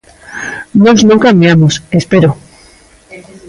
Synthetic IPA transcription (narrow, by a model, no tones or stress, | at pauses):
noznõŋkambjamosespeɾo